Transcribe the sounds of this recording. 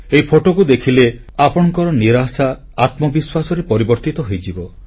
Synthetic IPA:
eipʰoʈokud̪ekʰile | apɔɽɔŋkɔɾɔniɾasaː | t̪mɔbiswasɔɾepɔɾibɔɾt̪it̪ɔɦejd͡ʒibɔ

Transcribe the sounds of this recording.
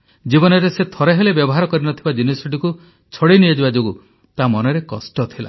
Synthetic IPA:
d͡ʒibɔnɔɾeset̪ʰɔɾeɦelebjɔbɔɦaɾɔkɔɾinɔt̪ʰibad͡ʒinesɔʈiku | t͡ʃʰɔɽinijɔd͡ʒibad͡ʒoɡu | t̪amɔnɔɾekɔsʈɔt̪ʰila̰

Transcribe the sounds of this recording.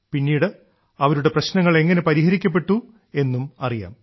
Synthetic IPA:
pinːiːɽɨ | ɐʋɐɾuɽe̞prɐɕnɐŋːɐɭe̞ŋːɐne̞pɐɾihɐɾikʲːɐp̬ːe̞ʈːu | e̞nːumɐrija̰ːm

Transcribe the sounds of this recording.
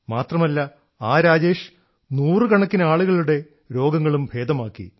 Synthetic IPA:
maːt̪rɐmɐlːɐ | aːɾaːd͡ʑe̞ːʂ | nuːrɨkɐɳɐkːinaːɭuɣɐɭuɽe̞ | ɾo̞ːɡɐŋːɐɭumbʱe̞ːd̪ɐmaːkːḭ

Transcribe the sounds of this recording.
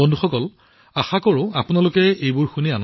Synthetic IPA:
ɔndʱuxɔkɔl | axakɔɹʊ̃apʊnalʊkɛejbʊɹxunian

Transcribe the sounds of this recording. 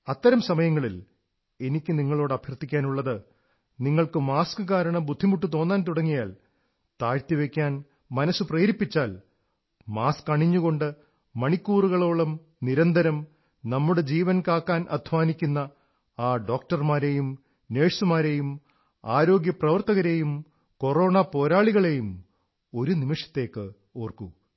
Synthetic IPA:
ɐt̪ːɐɾɐmsɐmɐjɐŋːɐɭil | e̞nikʲːɨniŋːɐɭo̞ːɽɨɐbʱjɐrt̪ːikʲːaːnuɭːɐðɨ | niŋːɐɭkɨmaːskɨkaːɾɐɳɐmbud̪ʱːimuʈːut̪o̞ːnːaːnt̪uɽɐŋːijaːl | t̪aːɻt̪iʋekʲːaːn | mɐnɐsːuprejːɾipːit͡ɕːaːl | maːskɐɳiɲːuɣo̞ɳɖɨ | mɐɳikʲːuːruɣɐɭo̞ːɭɐm | niɾɐnd̪ʱɐɾɐm | nɐmːuɽe̞d͡ʑiːʋɐnkaːkːaːnʔɐ̰d̪ʱʋaːnikʲːunːɐ | aːɖo̞ːk̚ʈɐrmaːɾe̞jum | ne̞ːʂumaːɾe̞jum | aːɾo̞ːɡjɐprɐʋɐrt̪ɐɣɐɾe̞ːjum | ko̞ro̞ːɳapo̞ːɾaːɭiɣɐɭe̞jum | o̞ɾunimɐʂjɐ̥t̪ːe̞ːkːɨ | o̞ːrkːu

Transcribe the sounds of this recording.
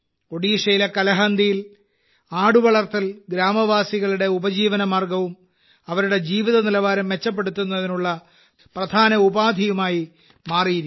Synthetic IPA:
ko̞ɽiːʂɐjilɐkɐlɐɦɐnd̪ijil | aːɽuʋɐɭɐrt̪ːɐlɡɾaːmɐʋaːsiɣɐɭuɽe̞ubɐd͡ʑiːʋɐnɐmaːrɡɐʋum | ɐʋɐɾuɽe̞d͡ʑiːʋiðɐnilɐʋaːɾɐmːe̞t͡ɕːɐp̬ːe̞ɽut̪ːunːɐðinuɭːɐ | prɐd̪ʱaːnɐubaːd̪ʱijumaːji | maːrijiɾik

